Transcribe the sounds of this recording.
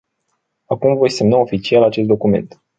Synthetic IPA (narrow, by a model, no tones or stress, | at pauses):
akumvo̞jse̞mnao̞fit͡ʃialat͡ʃest̪̚d̪o̞kume̞̰nt̪